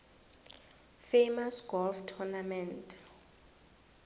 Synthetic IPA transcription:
fejmasɡ̥ɔlftʰɔnamɛnt

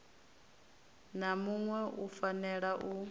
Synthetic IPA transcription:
namuŋwɛʔufanɛɺaʔu

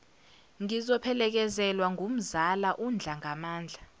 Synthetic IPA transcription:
ŋizɔpʰɛlɛk̬ɛzɛlwaŋʱum̩zalaʔund͡ɮʱaŋamaːnd͡ɮʱa

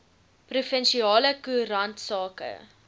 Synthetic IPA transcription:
prufɛnʃiɑːləkuəɾɐntsɑːkə̰

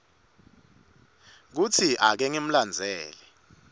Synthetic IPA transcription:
k̬ut͡sʰiʔak̬ɛŋem̩land͡zʱɛːlɛ

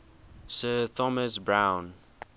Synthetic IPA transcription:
sɜːt̪ʰɔməsbɹãʊ̃n

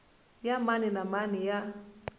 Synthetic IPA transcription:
jamaninamanija

